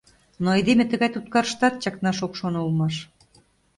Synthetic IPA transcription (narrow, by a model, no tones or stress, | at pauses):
noejd̪emʲet̪əɣɑjt̪ut̪̚kɑɾəʃt̪ɑt̪̚t͡ɕɑknɑʃokʃonoulmɑʃ